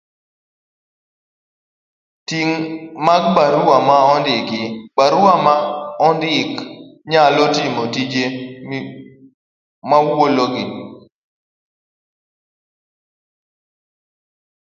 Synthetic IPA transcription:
tiŋmaɡbaɾuamaɔndɪkɪbaɾuamaɔndɪkɲalotimotid͡ʒe | mawoloɡi

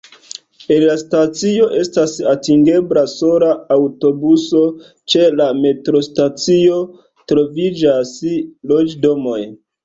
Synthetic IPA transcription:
enlastat͡sio̞ʔe̞stasatiŋɡe̞blaso̞ɾaːwto̞buso̞ | t͡ʃe̞lame̞tɾo̞stat͡sio̞ | tɾo̞vid͡ʒaslod͡ʒdo̞mo̞j

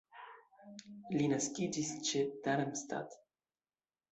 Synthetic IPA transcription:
linaskid͡ʒist͡ʃed̪anamst̪a̰t̪

